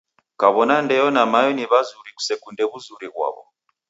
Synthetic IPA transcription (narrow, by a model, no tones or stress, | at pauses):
kaβɔnandɛjɔnamajɔniβazuɾiku̥sɛkundɛβuzuɾiɣwa̰βɔ̰